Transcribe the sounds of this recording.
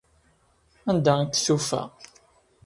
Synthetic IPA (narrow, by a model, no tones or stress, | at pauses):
ænd̪at̪ːθufæ̰